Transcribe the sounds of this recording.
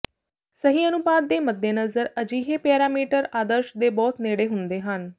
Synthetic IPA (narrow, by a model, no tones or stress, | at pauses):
səɦiːənʊbaːd̪ːeːməd̪ːeːnəzəɾəd͡ʒiːɦeːpeːɾaːmiːʈəɾaːd̪əɾʃd̪eːbɔːt̪neːɽeːɦʊnd̪eːɦən